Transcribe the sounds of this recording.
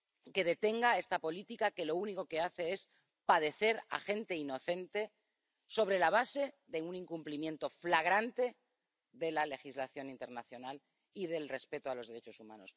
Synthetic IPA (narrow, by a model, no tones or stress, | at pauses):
ke̞ð̞e̞t̪e̞ŋɡae̞st̪apo̞lit̪ikake̞lo̞uniko̞ke̞aθe̞e̞s | paðe̞θe̞ɾa̰χe̞nt̪e̞ino̞θe̞nt̪e̞ | so̞βɾe̞laβ̞ase̞ðe̞uniŋkumplimjẽ̞nt̪o̞flaɣ̞ɾant̪e̞ | ðe̞lale̞xizlaθjo̞nint̪e̞ɾnaθjo̞nal | ið̞e̞lre̞spe̞t̪oalo̞zðe̞ɾe̞t͡ʃo̞sumã̰no̞̰s